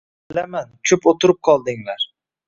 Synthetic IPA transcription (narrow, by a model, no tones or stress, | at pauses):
bɪlamankʲʰɵpot̪ʰʊɾɪp̚qʰɒlˠd̪ɪŋlaɾ